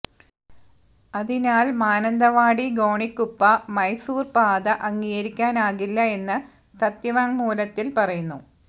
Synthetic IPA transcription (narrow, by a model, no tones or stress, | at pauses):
ɐðinaːlmaːnɐnd̪ɐʋaːɽiɡo̞ːɳikːupːɐmɐjsuːrpaːd̪ɐʔɐŋːijɐɾikʲːaːnaːɣilːɐe̞nːɨ | sɐt̪jɐʋaŋmuːlɐt̪ːilpɐrɐjunːu